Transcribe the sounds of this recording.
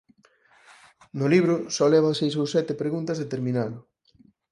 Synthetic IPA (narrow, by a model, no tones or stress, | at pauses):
nʊliβɾʊsɔlɛβasejsowsɛt̪epɾeɣunt̪ɐzðet̪eɾmĩnalʊ